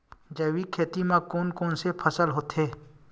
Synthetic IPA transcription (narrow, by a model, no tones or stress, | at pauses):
d͡ʒɐːwikʰeːt̪imãkoːnkoːnsepʰəsəlɦoːt̪ʰɦeː